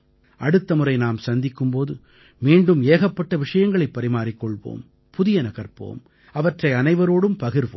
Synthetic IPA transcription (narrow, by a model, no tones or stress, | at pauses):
ʔɐɽɯt̪ːɐmɯɾɐɪnaːmsɐnd̪ɪkːɯmpoːðɯ | miːɳɖɯmeːɣɐpːɐʈːɐʋɪʂɐjɐŋɡɐɭɐɪpːɐɾɪmaːɾɪkːɔɭʋo̰ːm | pʊðɪjɐnɐɣɐɾpo̰ːm | ɐʋɐʈrɐɪɐnɐɪʋɐɾoːɽɯmpɐɣɪɾʋo̰ː